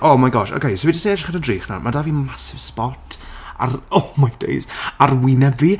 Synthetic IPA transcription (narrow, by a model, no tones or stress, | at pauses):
ʔomajɡɔʃo̰kʰejsowidisneɛdaχənəndriːχna̰mʔadaːviːmasɪv̥spɔtʰa̰romajd̥ḛjsarwɪnɛvi